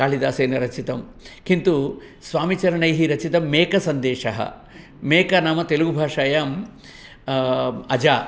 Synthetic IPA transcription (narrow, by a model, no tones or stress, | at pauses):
kaːlid̪aːseːnɐɾɐt͡ʃit̪ɐm | kint̪u | sʋaːmit͡ʃɐɾɐɳɐjɦiɾɐt͡ʃit̪ɐmːeːkɐsɐnd̪eːʂɐɦɐ̰ | meːkɐnaːmɐt̪eluɡubʱaːʂaːjaːm | ɐd͡ʒaː